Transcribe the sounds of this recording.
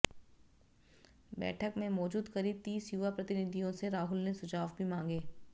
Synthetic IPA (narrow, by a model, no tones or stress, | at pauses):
bɛ̰ːʈʰəkmẽmɔːd͡ʒuːd̪kɐɾit̪iːsjuʋapɾɐt̪ɪnɪd̪ʱijõseɾaːɦʊlnesʊd͡ʒaːʋbʱimãːŋ̆ɡeː